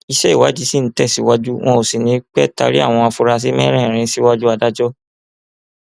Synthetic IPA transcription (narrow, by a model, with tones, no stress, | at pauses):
i˧ʃɛ˦i˦˨wa˨˦d͡ʒi˦si˦n̩˨˦tɛ˦˨si˨˦wa˦d͡ʒu˦w̃ɔ̃˧o˨si˨nĩ˨˦k͡pɛ˦˨ta̰˧ɾi˦a̰˦˨w̃ɔ̃˧a˧fu˧ɾa˧s̬i˦mɛ̃˦ɾ̃ɛ̃˦˨ɾ̃ĩ˧˦si˦wa˦d͡ʒu˦a˧da˦d͡ʒɔ˦